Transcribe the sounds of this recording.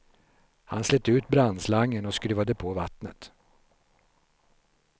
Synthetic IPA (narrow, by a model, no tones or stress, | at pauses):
ha̰nslɛt̪ːʉ̟ːt̪bɾand̪slaŋːənɔskɾʉ̟ːvad̪əpʰovat̪nə̰t̪